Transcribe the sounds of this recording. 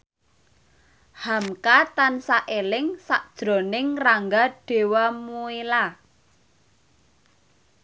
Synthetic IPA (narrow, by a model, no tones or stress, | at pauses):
hamkat̪ansaʔelɪŋsaʔd̥ʒ̥ɾo̤nɪŋraŋɡaɖ̥e̤wamuila